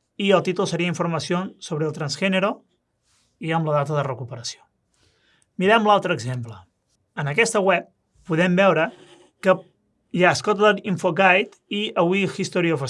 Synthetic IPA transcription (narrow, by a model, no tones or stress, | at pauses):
iəlˠt̪it̪ulˠsəɾiəiɱfuɾməsionsoβɾəlˠt̪ɾənzʒɛnəɾo | iəmləðat̪əðərəkupəɾəsio̥ | miɾɛmlalˠt̪ɾəːɡzemplə | ənəkɛst̪əwɛp̚ː | uðɛmbɛwɾə | kə | jaəskɔt̪ðəɾiɱfoɡajt̪ | iəβwixist̪oɾiofə